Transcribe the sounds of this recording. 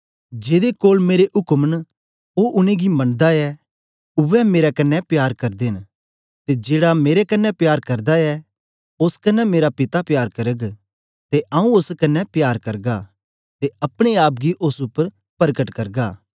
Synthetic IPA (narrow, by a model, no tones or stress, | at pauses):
d͡ʒeːd̪ekoːlmeːɾeʔʊkmn | oːʔʊnẽɡimɐ̃nd̪aɛ | ʊʋɛmeːɾakɐnːɛpjaːɾkɐɾd̪eːn | t̪ed͡ʒeːɽameːɾekɐnːɛpjaːɾkɐɾd̪aɛ | ʊskɐnːɛmeːɾapɪt̪apjaːɾkɐɾəɡ | t̪eʔãːũʊskɐnːɛpjaːɾkɐɾɡa | t̪eɐpɽ̃eaːp̬̚ɡiʔʊsʊpːəɾ | pɐɾkəʈkɐɾɡaː